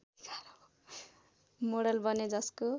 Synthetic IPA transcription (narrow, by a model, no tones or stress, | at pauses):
ɡʱʌɾʌ | moɽʌlbʌned͡zʌsko